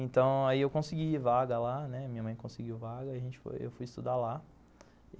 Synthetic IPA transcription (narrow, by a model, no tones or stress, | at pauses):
ẽt̪ɐ̃w̃aiewkõsiɡiivaɡɐlanɛmĩɲɐmɐ̃j̃kõsiɡiwvaɡɐiaʒẽnt͡ʃɪ̥fo̰jḛwfujist̪ud̪ala